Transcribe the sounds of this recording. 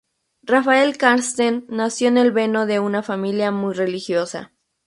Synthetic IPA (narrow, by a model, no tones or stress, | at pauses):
rafae̞lkaɾst̪enːasjo̞ene̞lβe̞no̞ðe̞unafamiljamujre̞lixjo̞sa̰